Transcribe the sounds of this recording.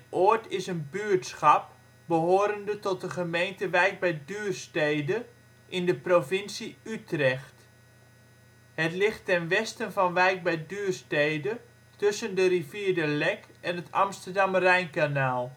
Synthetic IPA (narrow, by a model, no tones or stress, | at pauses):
tʔoətɪsənbyːtsxɑp̚ | bəɦoːɾəndətɔt̚dəχəmejntəʋɛjɡ̚bɛjdyːrstejdə | ʔɪndəprovɪnsiytrɛxt | hətlɪxtːɛnʋɛstənvɑnʋɛjk̚bɛjdyːrstejdə | tøsəndəriviːdəlɛkʔɛnətʰɑ̰mstərdɑmrɛjnkanaːlˠ